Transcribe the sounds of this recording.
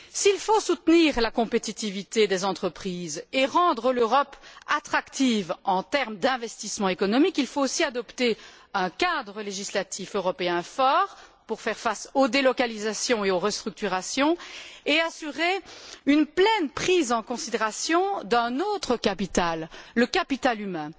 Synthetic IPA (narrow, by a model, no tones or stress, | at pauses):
silfosut̪niːʁlakɔ̃pet̪it̪ivit̪ed̪ezɑ̃t̪χəpχiːzeʁɑ̃d̪ʁəløʁɔpat̪χakt̪ivɑ̃t̪ɛʁmd̪ɛ̃vɛst̪ismɑ̃ekɔnɔmikilfoosiad̪ɔpt̪e | ɛ̃kad̪ʁəleʒislat̪iføʁɔpeɛ̃fɔʁpuʁfɛʁfasod̪elɔkalizasjɔ̃eoʁəst̪χyk̚t̪yʁasjɔ̃easyʁeynplɛnpχiːzɑ̃kɔ̃sid̪eʁasjɔ̃d̪ɛ̃not̪χəkapit̪alːəkapit̪alymɛ̃